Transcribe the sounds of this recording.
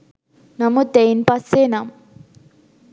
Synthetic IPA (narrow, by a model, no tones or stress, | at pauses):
nɐmut̪ejnpɐseːnam